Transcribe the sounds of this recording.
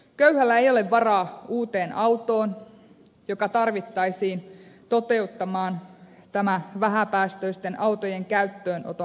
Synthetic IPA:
køyhælːæejo̞leʋʋɑrɑːuːt̪eːnʔɑwt̪oːn | jokɑt̪ɑrʋit̪ːɑisiːnt̪ot̪e̞ut̪ːɑmɑːnt̪æmæʋæɦæpæːst̪øist̪enʔɑwt̪ojeŋkæyt̪ːøːnʔo̰t̪o

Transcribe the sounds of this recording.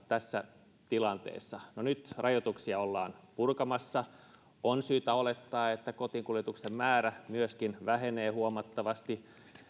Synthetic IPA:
t̪æsːæ | t̪ilɑnt̪ḛːsːɑnonyt̪rʔɑjot̪uksiɑolːɑ̰ːnpurkɑmɑsːɑ | ʔonsyːt̪æolet̪ːɑːet̪ːækot̪iŋkuljet̪uksemmæːɾæmyøskinʋæɦeneːhuomɑt̪ːɑʋɑst̪i

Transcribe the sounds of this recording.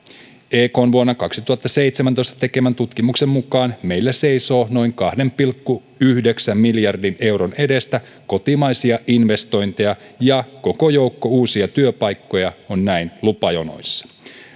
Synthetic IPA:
eːko̞ːnʋuonːɑkɑksit̪uhɑt̪ːɑse̞jt̪semænt̪o̞jst̪ɑ̥t̪e̞ke̞mænt̪ut̪kimuksemːukɑːnme̞jlːese̞jso̞ːno̞jŋkɑhde̞mpilkːu | yhdeksæmːiljɑrdine̞wɾone̞de̞st̪æ | ko̞t̪imɑjsiɑʔinʋe̞st̪o̞jnt̪ejɑjɑko̞ko̞jowkːouːsiɑt̪yøpɑjkːo̞jɑonːæinlupɑjono̰jsːɑ̥

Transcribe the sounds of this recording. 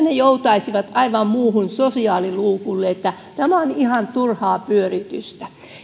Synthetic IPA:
nejout̪ɑisiʋɑt̪ɑiʋɑmmuːhunsosiɑːliluːkulːeet̪ːæ | t̪æmæonihɑnt̪urhɑːpyørit̪yst̪æ

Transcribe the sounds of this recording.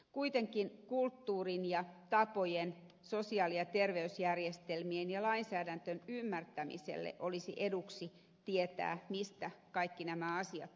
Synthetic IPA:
kuit̪eŋkinkult̪ːuːrinjɑt̪ɑpojen | sosiɑːliɑt̪erʋeysjærjest̪elmienjɑlɑinsæːdænt̪ønymːært̪æmḭsḛlːḛʔolisiʔeduksi | t̪iet̪æ̰ːmist̪ækɑikːinæmæɑsiɑ̰t̪

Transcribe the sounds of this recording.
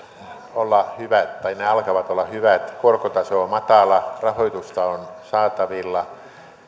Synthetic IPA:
olːɑhyʋæt̪t̪ɑineɑlkɑʋɑt̪olːɑhyʋæt̪korkot̪ɑsoːmɑt̪ɑˑlɑrɑhoit̪ust̪ɑonsɑːt̪ɑʋilːɑ

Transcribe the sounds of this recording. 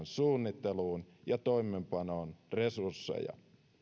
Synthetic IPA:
nsuːnːit̪ːeluːnjɑt̪o̞imːˑempɑnoːnre̞sursːḛjɑ̰

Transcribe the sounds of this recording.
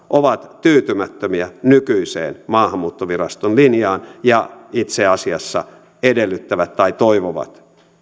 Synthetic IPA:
ʔoʋɑt̪t̪yːt̪ymæt̪ːømiænykyisḛːnmɑːhɑmːuːt̪ːoʋirɑst̪onlinjɑːnjɑit̪seɑsiɑsːɑ̰ | edelːyt̪ːæʋæt̪tːɑit̪oiʋoʋɑ̰t̪

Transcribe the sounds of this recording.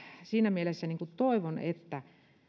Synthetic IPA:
siːnæmielesːæniːŋkut̪t̪oiʋonet̪ːæ

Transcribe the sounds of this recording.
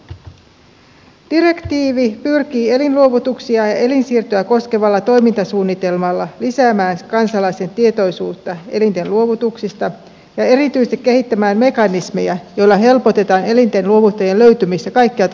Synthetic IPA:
d̥ire̞kt̪iːʋipyrk̟iːe̞linluo̞ʋut̪uksiɑjɑe̞linsiːrt̪øæko̞ske̞ʋɑlːɑt̪o̞jmint̪ɑsuːnːit̪e̞lmɑlːɑlisæːmæːnkɑnsɑlɑjse̞nt̪ie̞t̪o̞jsuːt̪ːɑe̞lint̪e̞nluo̞ʋut̪uksist̪ɑ | jɑe̞ɾit̪yjsekːehit̪ːæmæːmme̞kɑnisme̞̰jæjo̞jlːɑɦe̞lpo̞t̪e̞t̪ɑːne̞lint̪e̞nluo̞ʋut̪ːɑjenlø̞ɥt̪ymist̪ækɑjkːiɑ

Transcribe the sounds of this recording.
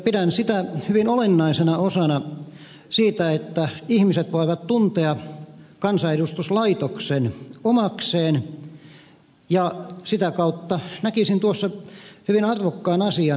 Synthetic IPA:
pidænsit̪æhyʋinolenːɑisenɑosɑnɑ | siːt̪æet̪ːæihmiset̪ʋoˑiʋɑt̪t̪unt̪eɑkɑnsɑedust̪uslɑit̪oksenomɑkseːn | jɑsit̪ækɑut̪ːɑnækisint̪uosːɑhyʋinɑrʋokːɑːnɑsiɑ

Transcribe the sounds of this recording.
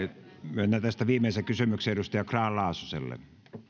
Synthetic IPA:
mønːæt̪æst̪æʋiːmˑeˑisekysymykseeɾust̪ɑjɑkrɑːllɑˑosusḛlːḛ

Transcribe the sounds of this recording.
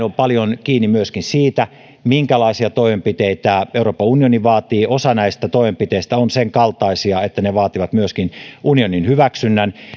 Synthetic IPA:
ompɑljonkiːnːimyøskinsiːt̪æ | miŋkælɑisiɑt̪oimempit̪eit̪æeuroːpːɑunijoniʋɑːt̪iːʔosɑnæist̪æt̪oimempit̪eist̪æonseŋkɑlt̪ɑisiɑet̪ːæneʋɑːt̪iʋɑt̪myøskinʔunioninhyʋæksynːæn

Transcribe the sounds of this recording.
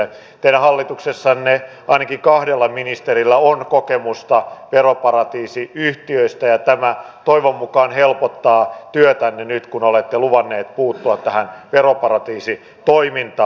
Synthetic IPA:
t̪eilæhɑlːit̪uksesːɑnne | ʔɑinɑkikɑhdelːɑminist̪erilːæonkokemust̪ɑʋeropɑrɑt̪iːsiyht̪iøist̪æjɑt̪æmæ | t̪oiʋomːukɑːnhelpot̪ːɑːt̪yøt̪ænːenyt̪kunolet̪ːeluʋɑnːeːt̪̚puːt̪ːuɑt̪t̪ːæhænʋeropɑrɑt̪iːsi | t̪oimint̪ɑː

